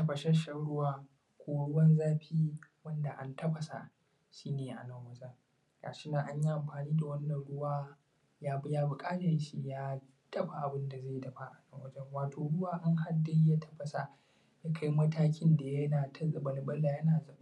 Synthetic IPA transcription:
tɐ˦ɸɐ˨ʃɛ˦ʃɐ˦ɽʊ˦waː˦ | kʷoː˦ʊ˦wɐ˦nzaː˦ɸʰiː˦wɐ˦nda˨ʔa˦ntɐ˦ɸɐ˨sa̰˨ʔ | ʃiː˦neː˨ʔa̰˨nɐ˦ŋwɐ˦d͡ʒɐ˦ŋ | ɡa̰ː˨ʃɪ˦na˨ŋʔa˦ɲji˦ʔa˨mɸaː˨niː˦da˨wɐ˦nːɐ˨nɽʊ˦waː˦ | jaː˦bjaː˦bʊ˨kʼaː˦dɐ˨n˦ʃi˦jaː˦ | d̥ɐ˦ɸa˨ʔa˨bɪ˦nda˨za˦˨˦dɐ˨ɸa˦ʔa˨nɐ˦ŋwɐ˦d͡ʒɐ˦ŋwaː˨tʰoː˨ɽʊ˦waː˦˨ʔa˦ŋɦa˦dːa˦ja˦tʰɐ̥˦ɸɐ˨sa˨ | ja˦kʰa˦jmɐ˦tʰaː˦kʲɪ˦nda˨jɐ˦naː˨tʰɐ˦zʼɐ˨bɐ˨lbɐ˦la˨jɐ˦naː˨z

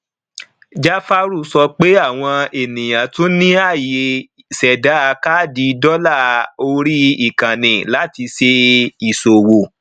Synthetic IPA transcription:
d͡ʒa˦fa˧ɾu˦˨sɔ˧k͡pe˦a˦˨w̃ɔ̃˧e˨nĩ˨j̃ã˨to˦nĩ˦a˦˨je˨ | sɛ˨da˨˦˧ka˦di˨˧dɔ˦la˦˨o˧ɾi˦i˦˨kã˨nĩ˨la˨˦ti˧se˧i˨so˨wo˨

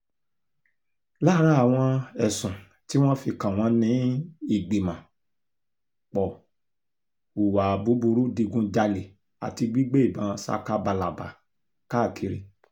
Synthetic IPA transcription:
la˦ɾa˦a˨w̃ɔ̃˧ɛ˨sũ˨ | ti˦w̃ɔ̃˦fi˧kã˨w̃ɔ̃˦nĩ˨˦i˦˨ɡ͡be˨mã˨ | k͡pɔ˨ | u˨wa˨bu˨˦bu˧ɾu˦di˧ɡũ˧d͡ʒa˧le˨ | a̰˨ti˧ɡ͡bi˦ɡ͡be˦i˦˨bã˨˦˧sa̰˦ka˦ba˧˨la˨ba̰˨ | ka˦˨kʰi˨˧ɾi˧

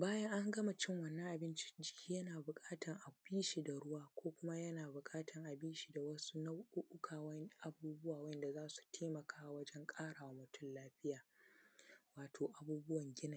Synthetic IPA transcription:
baː˦jɐ˦ŋʔa˦ŋɡɐ˦ma˨t͡ʃɪ˦˨ŋwɐ˨nːɐ̃˦ŋʔa˨bɪ˦nt͡ʃi̥˦d͡ʒɪ˦kʲʰiː˦jɐ˦naː˨bʊ˨kʼaː˦tɐ˨ŋʔa˨biː˦ʃi˨da˨ɽʊ˦waː˦kʷoː˦kʷʊ˦ma˦jɐ˦naː˨bʊ˨kʼaː˦tʰɐ˨ŋʔa˨biː˦ʃi˨da˨wɐ˦su˦nɐ˦wʔʊ˦ʔʊ˦kʰaː˨wɐ˦n˦ʔa˨buː˦bʊ˦waː˨wɐ˦nda˨zaː˦su̥˨tʰeː˦mɐ˨kʰaː˦a˦wɐ˦d͡ʒɛ˦ŋkʼaː˦ɽaː˨wa˦mʊ˦tʊ˦˨nlaː˦ɸɪ˦jaː˨ | waː˨tʰoː˨ʔa˨buː˦bʊ˦wɐ˨ŋɡʲɪ˦na˨

